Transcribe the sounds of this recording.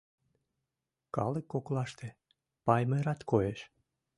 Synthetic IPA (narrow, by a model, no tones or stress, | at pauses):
kɑ̰lekːoklɑʃt̪e | pɑjmeɾɑt̪kʰojeʃ